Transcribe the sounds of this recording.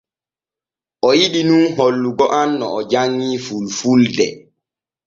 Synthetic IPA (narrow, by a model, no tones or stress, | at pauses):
ʔɔjiɗinunɦolːuɡɔʔanːɔ̰ɔd͡ʒaŋːiːfulfuldɛ̰